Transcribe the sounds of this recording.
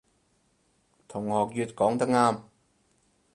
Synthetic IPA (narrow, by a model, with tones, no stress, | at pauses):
t̪ʰʊ˨˩ŋhɔː˨˩k̚jyː˧t̚kɔː˨˥ŋt̪ɐ˥k̚ŋaː˥m